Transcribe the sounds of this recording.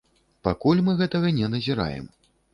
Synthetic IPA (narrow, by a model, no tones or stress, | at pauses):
pakulʲmɨɣɛt̪ɐɣɐnʲɛnɐzʲiɾa̰jɛ̰m